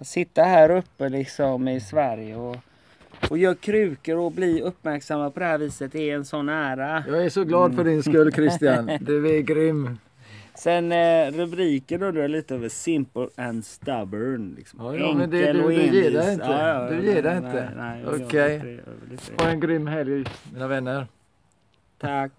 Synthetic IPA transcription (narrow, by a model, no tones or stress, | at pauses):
sɪt̪ːahæːɾɵpːəlɪksɔmɪsvæɾjəɔ | ʔɔjœːkʰɾʉ̟ːkəɾɔblɪɵpːmæɾksamːad̪pʰɔd̪ɛhæːɾviːsət̪ɛɛnsɔnːæːɾajɑːɡæʂɔɡlɑːd̪fœɖɪnskɵlːkʰɾɪst̪ɪjand̪ɛɛɡɾʏmː | sɛnɾɛbliːkənɵnd̪əɾjaliːt̪əøvəsɪmpəlɛnd̪st̪abənlɪ̰ksɔmːjmɛnd̪ɛd̪jeːd̪ɛɪnt̪ːəd̪ɵjeːdɛɪnt̪ənɛ̰ɔ̰kʰɛj̰lɔɛnɡɾʏmːɦɛljmiːnavɛnːəɾ | t̪ʰak